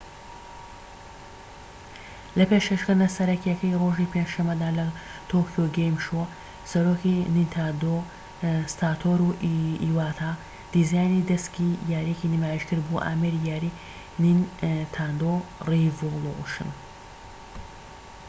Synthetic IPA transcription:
lɐpeʃkɐʃkɨɾnɐsɐɾɐkjɐkɐjroːʒiːpʰenʃɐmːɐd̪aːlɐt̪ʰokjoɡejmʃoɐ | sɐɾoːkinint̪ʰad̪o | st̪aːt̪ʰoːɾuiːwaːt̪ʰaː | d̪̥izajnid̪ɐskijaːɾiekinimaːjiʃkɨɾbuʔa̰ːmeɾijaːɾi | nint̪ʰand̪orivolˠoṵʃɨ̰n

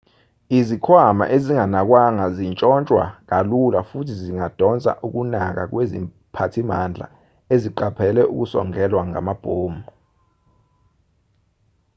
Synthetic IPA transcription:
izikʰwama̰ʔeziŋanak̬waŋazint͡ʃʼɔnt͡ʃʼwa̰k̬alulafutʰiziŋad̥ʱɔnt͡sʼa̰ʔuk̬unak̬ak̬wezḭ | pʰatʰimand͡ɮʱa̰ | eziǃapʰɛlɛʔṵk̬usɔ̰ŋɛlwaŋa̰mab̥ʱoːmbɔ

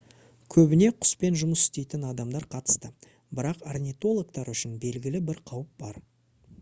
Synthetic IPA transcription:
kʲʰɵbɪne̞qʰʊ̥spe̞nʒʊməsɪ̥st̪e̞jt̪ɪnɑd̪ɑmd̪ɑɾqʰɑt̪ə̥st̪ə | bɪɾɑqarnʲit̪o̞lˠok̚t̪ɑɾʏʃɪnbe̞lɡʲɪlɪbɪɾqʰɑwəp̚bɑɾ

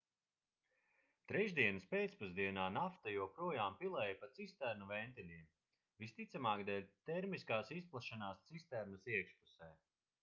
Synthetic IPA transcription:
t̪ɾɛʒd̪iɛnɨspeːt̪spuzd̪iɛnaːnaft̪ajuɔpɾuɔjaːmpilˠɛːjapat̪sist̪æɾnuvɛnt̪ɛlʲiɛm | vist̪it̪samaːkd̪ɛlʲt̪ɛɾmiskaːsisplˠaʃanaːst̪sist̪æɾnɨsiɛkʃpusɛː

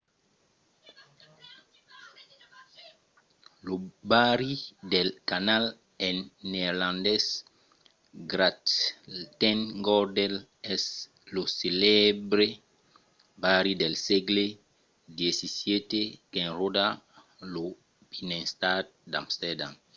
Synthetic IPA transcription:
lobaɾid̪elkanal | enːeɾlãnd̪es | ɡɾat̪t̪enɡoɾd̪el | ɛs | loselebɾe | baɾid̪elseɡle | d̪jesisjet̪ekẽnrod̪a | lo | binẽnst̪ad̪̚d̪amst̪eɾdam

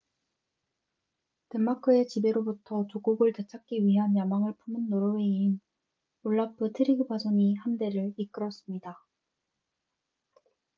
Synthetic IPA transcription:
temːakʰɯe̞t͡ɕibe̞ɾobutʰʌt͡ɕoɡuɡɯɭtet͡ɕʰak͈̚iɥiɦanjamaŋɯɭpʰumɯnːoɾowein | oɭːapʰɯtʰɯɾiɡɯbad͡ʑoŋihamde̞ɾɯɭik͈ɯɾʌs͈ɯmɲida

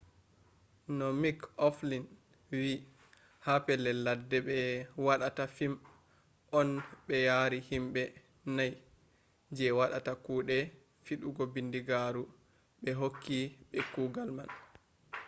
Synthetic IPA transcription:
nɔmikɔflin | wi | hapɛlɛladːɛɓɛwaɗatafim | ʔɔnɓɛjaɾihimɓɛ | naj | d͡ʒɛwaɗatakuːɗɛ | fiɗuɡɔbindiɡaɾu | ɓɛɦokːiɓɛkuːɡalma̰n

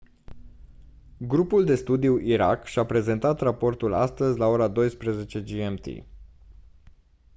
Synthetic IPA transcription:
ɡɾupuld̪e̞st̪ud̪iuʔiɾa̰kʃapɾe̞ze̞nt̪at̪rapo̞rt̪ula̰st̪əzʲlao̞ɾad̪o̞jspɾəze̞t͡ʃe̞d͡ʒiemt̪ḭ

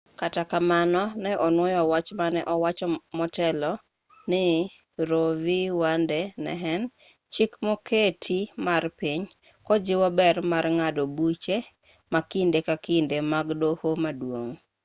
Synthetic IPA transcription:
katakamanɔnɛʔɔnwɔjɔwat͡ʃmanɛʔɔwat͡ʃɔmɔtɛlɔ | nɪ | ɾoviwandɛnɛ̰ɦɛn | t͡ʃikmoketʰimarpiɲ | kɔd͡ʒɪwɔbɛrmarŋadobut͡ʃe | makindekakindemaɡdohomadwoŋ

